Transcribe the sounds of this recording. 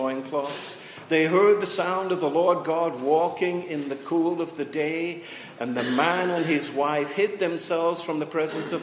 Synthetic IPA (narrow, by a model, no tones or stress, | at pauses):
ɪ̃ŋkʰl̥ɔz̥ | ðeɪɦɜ˞d̪̚ðɨsãʊ̃ndʌvðəlɔɹd̚ɡɑd̚wɔkɪ̃ŋɪ̃nðɨkʰulˠʌvðɨdeɪ | ʔɨ̃nðɨmæ̃nɨ̃nɪzwaɪfhɪd̪̚ðɨ̃msɛlˠvz̥fɹʌ̃mðɨpʰɹ̥ɛzɨ̃nsʌv